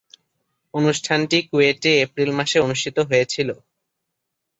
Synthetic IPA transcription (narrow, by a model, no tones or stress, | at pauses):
onuʃʈʰanʈikueʈiepɾilmaʃeonuʃʈʰit̪oɦojet͡ɕʰilo